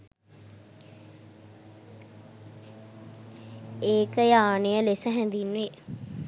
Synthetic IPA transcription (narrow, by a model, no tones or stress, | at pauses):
eːkəjaːnejəlesəɦɛ̃nd̪inːʋe